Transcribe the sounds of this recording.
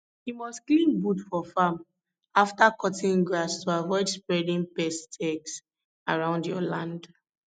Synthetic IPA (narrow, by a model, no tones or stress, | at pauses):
himɔsklĩmbudfɔfam | aftakɔtĩŋɡɹastʰoavɔɪdspɹɛdĩŋpɛstʰɛɡs | aɹãʊ̃ndjɔlãnd